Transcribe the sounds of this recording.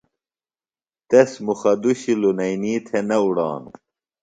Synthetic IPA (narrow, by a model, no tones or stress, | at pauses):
t̪esmuxɐd̪uɕilunɐjniːt̪ʰenɐuɽɑ̰ːn